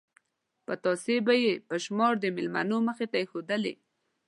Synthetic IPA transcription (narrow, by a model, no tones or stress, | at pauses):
pət̪ɑsebajepəʃmɑɾd̪əmɪlma̰noməxet̪aexod̪əlḛ